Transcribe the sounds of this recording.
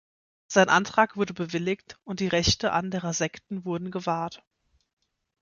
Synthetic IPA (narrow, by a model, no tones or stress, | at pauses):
z̥aɪnʔantʁ̥aːkv̥ʊɐdəbəvɪlɪktʔʊnt̚d̥iːʁɛçtəʔandəʁɐzɛktn̩vʊɐdn̩ɡəvaːɐt